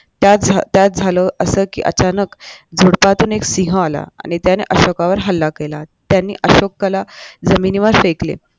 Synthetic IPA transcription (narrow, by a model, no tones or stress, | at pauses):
t̪jat̪̚d͡zʱat̪jat̪̚d͡zʱaləʔəsəːkḭːʔə̰t͡ɕanəkd͡zʱoɽpat̪uːneksiɦəala̰ːñit̪janḛʔəɕokaʋəɾɦəlːakelat̪janːḭːʔəɕokːəlad͡zəminiʋəɾfeklḛ